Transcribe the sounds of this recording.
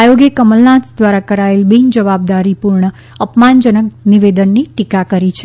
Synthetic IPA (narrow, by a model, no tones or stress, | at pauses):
ajoɡjəkəməlnãsd̪ʋaɾakəɾaelbind͡ʒəʋab̚d̪aɾipuɾɳə | əpmand͡ʒənəkniʋed̪ənːiʈikakəɾit͡ʃʰe